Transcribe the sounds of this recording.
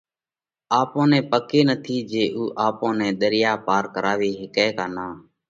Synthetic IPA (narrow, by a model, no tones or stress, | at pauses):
aːpõːnɛ̃ːpəkeːnət̪ʰiːd͡ʒeːʔuːʔaːpõːnɛ̃ːɗ̪əɾjaːpaːɾkəɾaːʋeːɦɪkɛːkaːnaː